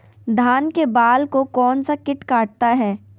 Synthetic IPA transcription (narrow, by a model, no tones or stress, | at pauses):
d̪ʱaːnkebaːlkokɔːnsakɪʈkaːʈ̚t̪aɦɛː